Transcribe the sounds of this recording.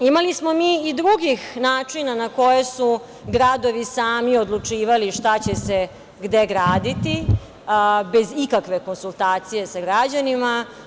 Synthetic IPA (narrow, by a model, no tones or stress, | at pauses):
imalismo̞miːid̪ɾuɡixnaːt͡ʂinanako̞jesu | ɡɾad̪o̞ʋisaːmiod̪lˠut͡ʂiːʋaliʃt̪at͡ɕese | ɡd̪e̞ɡɾaːd̪it̪i | be̞zikakʋe̞ko̞nsulˠt̪aːt̪sije̞saɡɾad͡ʑanima